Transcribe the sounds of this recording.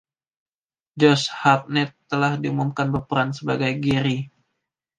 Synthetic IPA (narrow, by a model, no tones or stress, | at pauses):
d͡ʒɔshap̚nɛt̪ːəlahdiumumkanbəpəɾansəbaɡajɡiɾi